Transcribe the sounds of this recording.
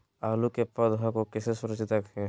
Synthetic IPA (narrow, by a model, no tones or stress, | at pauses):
aːlukepəd̪ɦãkokɛsesʊɾət͡ʃɪt̪əkɦɛ